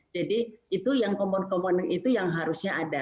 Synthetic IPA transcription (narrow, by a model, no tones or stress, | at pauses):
d͡ʒadiit̪ujaŋkɔmɔnkɔmɔnŋit̪ujaŋɦaɾusɲaʔada